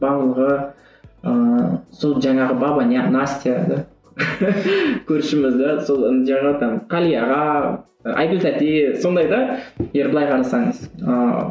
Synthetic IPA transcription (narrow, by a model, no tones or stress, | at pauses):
bɑʁlˠəʁə | əsolˠʒɑɴɑʁəbɑbɑnʲanasʲt̪ʲijad̪ɑ | kʲʰɵɾʃɪmɪzd̪ɑsolˠʒɑt̪ɑnqʰɑlʲijɑʁɑ | ɑ̰jɡʊlt̪æt̪eso̞nd̪ɑjd̪ɑjeɾbəlˠɑjqʰɑɾɑsɑɴəz̥ə